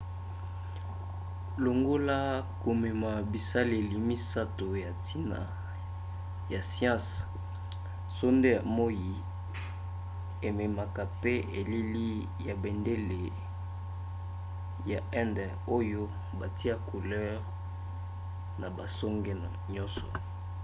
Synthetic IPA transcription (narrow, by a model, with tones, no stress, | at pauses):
lo˨ŋɡo˦la˦ko˨me˨ma˨bi˨sa˦le˨li˨mi˦sa˦to˨ja˨tʰi˦na̰˨ | ja˨sjã˦s | so˦nde˦ja˨mo˦ji˨ | e˨me˨ma˨ka˨pe˦e˨li˦li˦ | ja˨be˨nde˦le˨ | ja˨ɛ˦ndɛ˨ | o˦jo˦ | ba˨ti˦a˦ko˨lɛ˦ʁ | na˨ba˨sɔ˦ŋɡe˦n˨ɲɔ̃˦sɔ̰˨